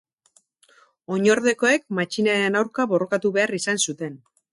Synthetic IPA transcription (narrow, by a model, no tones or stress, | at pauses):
o̞ɲo̞ɾðe̞ko̞e̞k̚mat͡ʃinaenawɾkaβo̞ro̞kat̪uβe̞arisansut̪e̞n